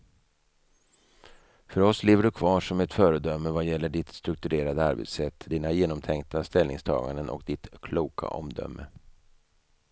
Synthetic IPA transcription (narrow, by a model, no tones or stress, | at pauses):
fœɾɔsleːvəɖɵkʰvɑːʂɔmɛt̪fœːɾəd̪œmːəvajɛlːəɖɪt̪st̪ɾɵk̚t̪ɵɾeːɾad̪əaɾbḛt̪sɛt̪ːd̪iːnajeːnɔmt̪ʰɛŋkt̪ast̪ɛlnɪ̰ŋst̪ʰɑ̰ːɡand̪ənʔɔ̰kd̪ɪt̪kʰluːkʰa̰ʔɔ̰md̪œ̰mːə